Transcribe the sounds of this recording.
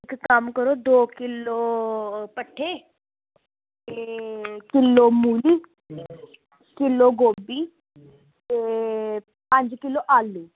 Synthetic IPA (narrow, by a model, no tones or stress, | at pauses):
ɪkkəmkəɾoːd̪oːkɪloːpəʈʰːeː | t̪eːkɪlːoːmuːliː | kɪlːoːɡoːbiː | t̪eː | pə̃ɲd͡ʒkɪlːoːʔaːlːiː